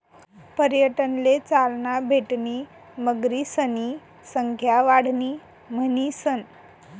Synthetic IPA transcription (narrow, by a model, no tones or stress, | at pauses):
pəɾjəʈənlet͡salɳabʱeʈniː | məɡɾisəni | səŋkʰjaʋaɽ̤niː | mənisən